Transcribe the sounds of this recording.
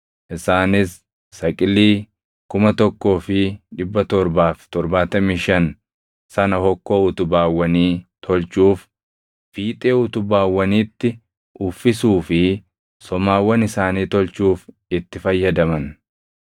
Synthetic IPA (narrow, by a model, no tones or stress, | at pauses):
ʔɪsaːnɪsː | ɐkʼɪlːiː | kʊmɐt̪ɔkːo̞ːfɪᶑɪbːɐt̪ɔɾbaːft̪ɔɾbaːt̪ɐmiʃɐn | sɐnɐhɔkːoːʊt̪ʊbaːwːɐniːt̪ʰɔlt͡ʃuːf | fiːt̪ʼe̞ːʊt̪ʊbaːwːɐniːt̪ːɪ | ʊfːɪsuːfɪ | sɔmaːwːɐnɪsaːniːt̪ɔlt͡ʃuːf | ɪt̪ːɪfɐjːɐd̪ɐmɐn